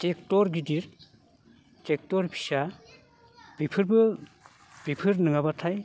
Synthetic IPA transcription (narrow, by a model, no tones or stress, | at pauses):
tektɔɾɡidiɾ | tek̚tɔɾpʰi̥sa | b̥ipʰɯɾbɯ | b̥ipʰɯɾnɯŋabatʰaj